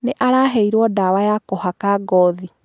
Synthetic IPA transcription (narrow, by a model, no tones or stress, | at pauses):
neʔaɾaːɦɛiɾwɔdawajakohakaɡɔði